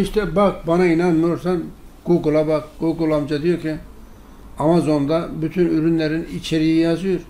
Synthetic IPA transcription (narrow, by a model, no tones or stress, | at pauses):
iʃt̪ʰɛbak̚banainanmɯjoɾsanɡ̥uɡulˠabakɡ̥uɡulˠamd͡ʒad̪ijoɾcʰi | amazo̞nd̪abyt̪ʰynyɾynlʲeɾinit͡ʃʰeɾijijazɯjoɾ